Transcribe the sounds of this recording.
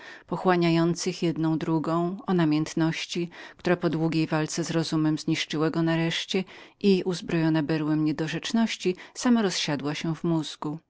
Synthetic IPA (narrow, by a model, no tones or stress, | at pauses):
pɔxwaɲajɔnt̪sɘxjɛd̪nɔ̃w̃d̪ɾuɡɔ̃w̃ɔnamʲjɛnt̪nɔɕt͡ɕik̚t̪uɾapɔd̪wuɡʲejvalt̪sɛzɾɔzumɛmzɲiʂt͡ʂɘwaɡɔnaɾɛʂt͡ɕɛʔiuzbɾɔjɔnabɛɾwɛmɲɛd̪ɔʐɛt͡ʂnɔɕt͡ɕisamaɾɔsɕad̪waɕɛvmuzɡu